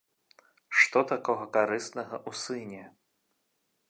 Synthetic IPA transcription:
ʂt̪ɔt̪akɔɣɐkaɾɨst̪nɐɣɐʔusɨnʲɛ

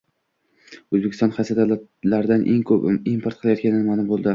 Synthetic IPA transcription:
ɵzbekʲɪ̥st̪ɒnχasad̪at̪laɾɪd̪anʔeŋkʰɵpimpʰoɾt̪̚qʰɨlˠajɒt̪̚kʲanɪnɪmaːlʊmbolˠd̪ɪ

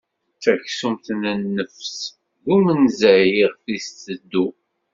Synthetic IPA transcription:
θæçsumθnənːəfs | ɡumənzæjiʁθist̪ːəd̪ːu

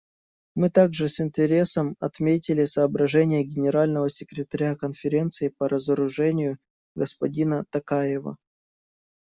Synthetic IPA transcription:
mɨt̪aɡʐɨsɪnʲtʲɪɾʲe̞səmɐt̪mʲetʲɪlʲɪsɐːbɾɐʐɛnʲɪjəɡʲɪnʲɪɾalʲnəvəsʲɪkɾʲɪt̪ɐɾʲakənfʲɪɾʲe̞nt̪sɨɪpəɾəzəɾʊʐɛnʲɪjʊ | ɡəspɐdʲinət̪ɐkajɪvə̰

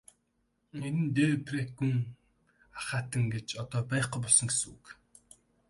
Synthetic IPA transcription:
enɘ̆nt̪eːpreɡuŋ | aχaːt̪ə̆ŋɡet͡ɕɔt̪ɔːpæjχqujpɔɮsɞ̆ŋɡes̆uk

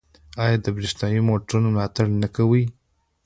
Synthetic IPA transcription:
ɑjɑd̪əbɾisnɑjimoʈɾunomlɑt̪aɽnakawəj

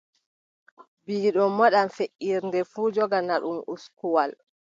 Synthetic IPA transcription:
biːɗɔmːɔɗamfeʔːiɾndɛfuːd͡ʒɔɡanaɗumuskuwal

